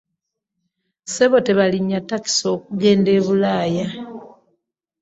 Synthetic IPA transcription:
se̞βo̞te̞βaliɲːatːaki̥so̞ːk̚uɡe̞ːnde̞ːβulaːja

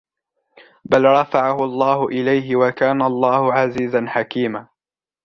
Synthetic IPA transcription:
balɾˤɑfaʕahʊɑlˤːɑːhʊʔɪlajɦɪwakaːnaɑlˤːɑːhʊʕaziːzanħakiːmaː

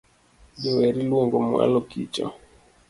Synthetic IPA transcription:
d͡ʒɔwɛɾilwɔŋɡɔmɔ̰a̰lɔkḭt͡ʃɔ̰

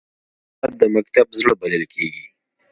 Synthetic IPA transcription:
at̪̚d̪əmak̚t̪abzəɽobaləlkeɡi

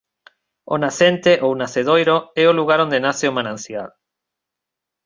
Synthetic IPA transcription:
o̰naθent̪eʔownaθeðojɾoɛoluɣaɾond̪enaθeomanãnsja̰l

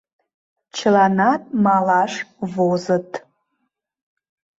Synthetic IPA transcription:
t͡ʃʰlanatʼmalaʂvozɨtʼ

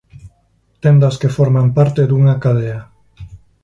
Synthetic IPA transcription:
t̪end̪askefoɾmampaɾt̪eðuŋakaðea

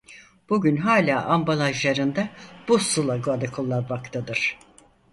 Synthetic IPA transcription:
b̥uɟynɦaːlʲaːʔambalˠaʒlˠaɾɯnd̪ab̥usulˠaɡualʲakʰolˠːaɾmakt̪ʰad̪ɯɾ̥

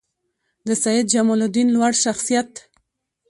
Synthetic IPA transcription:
d̪əsajɪd̪̚d͡ʒamolʊd̪inlwaɽʃaxsijat̪

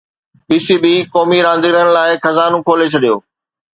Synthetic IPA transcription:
ɓisiɓikɔːmiɾãːnd̪iɾəñɪ̆laːɪxɐzaːnõkʰoːlet͡ɕʰɐɗijoː

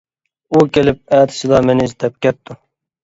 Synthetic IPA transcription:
ukʲʰelɪp̚æːt̪ʰɪ̥silˠɑmenɪzt̪ʰɛp̚kʲɛt̪̚ʰːu

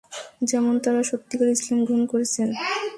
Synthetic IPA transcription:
d͡ʑɛmont̪aɾaʃot̪ːikaɾeislamɡɾunkoɾet͡ɕʰen

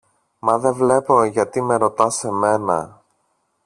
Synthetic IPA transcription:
mɐðe̞vle̞po̞ʝɐt̪ime̞ɾo̞t̪ɐse̞me̞nɐ̰

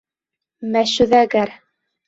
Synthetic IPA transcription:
mæʃɵðæɡæɾ

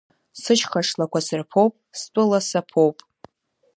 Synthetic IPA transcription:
sɨʃχaʂlakʷasɨrpʰowpʼstʷʼʊlasapʰowpʼ

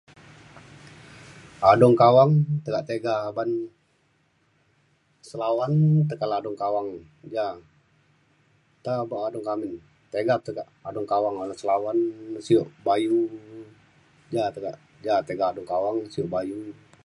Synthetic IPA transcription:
adɔŋkawaŋt̪əkaʔt̪eɡaban | səlawant̪əkalaːdɔŋkawaŋ | d͡ʒa | t̪abaʔːdɔŋkamɪn | t̪eɡap̚t̪əkaʔadɔŋkawaŋalasəlawansioʔbaju | d͡ʒat̪əɡa̰ʔ | d͡ʒat̪eɡaadɔŋkawaŋsioʔbaju

